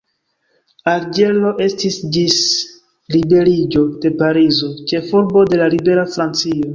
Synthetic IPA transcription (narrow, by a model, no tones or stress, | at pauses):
aɾd͡ʒe̞lo̞ʔe̞stisdis | libe̞ɾid͡ʒo̞de̞paɾizo̞t͡ʃe̞fuɾbo̞de̞lalibe̞ɾafɾant͡sio̞